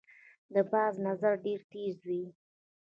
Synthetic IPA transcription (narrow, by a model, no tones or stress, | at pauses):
d̪əbɑznazaɾɖeɾt̪ezwi